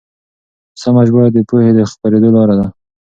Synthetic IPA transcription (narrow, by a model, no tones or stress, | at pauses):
səmaʒbʊɾad̪əpohed̪əxpaɾed̪olɑɾad̪a